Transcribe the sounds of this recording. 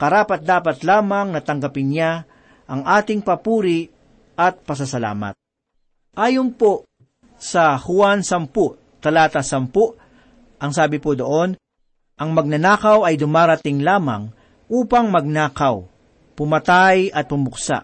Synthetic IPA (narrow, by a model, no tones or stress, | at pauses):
kɐɾaːpɐt̪̚d̪aːpɐt̪laːmɐŋnɐt̪ɐŋɡɐpɪnɲa | ʔɐŋʔaːt̪ɪŋpɐpuːɾɪ | ɐt̪̚pɐs̬ɐsɐla̰ːmɐ̰t̪̚ | ʔaːjonpo | sɐhʊansɐmpʊʔ | t̪ɐlaːt̪ɐsɐmpʊʔ | ʔɐŋsaːbɪpʊd̪oʔo̞n | ʔɐŋmɐɡ̚nɐnaːkɐwɐjd̪ʊmaːɾɐt̪ɪŋlaːmɐ̰ŋ | ʔuːpɐŋmɐɡ̚naːkɐw | pʊmɐt̪ajɐt̪̚pʊmʊksa̰ʔ